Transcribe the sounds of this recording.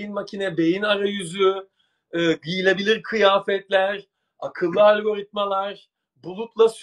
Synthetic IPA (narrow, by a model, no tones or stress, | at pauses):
inmacʰinɛbe̞jinaɾajyzyː | ɡijilʲebilʲiɾkʰɯjaːfɛt̪lʲæɾ | akʰɯlˠːɯalʲɡo̞ɾit̪̚malˠaɾ | bulˠut̪lˠas